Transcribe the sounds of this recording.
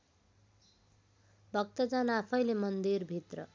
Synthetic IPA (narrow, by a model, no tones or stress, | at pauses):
bʱʌk̚t̪ʌd͡zanapʰʌjlemʌnd̪irbʱit̪rʌ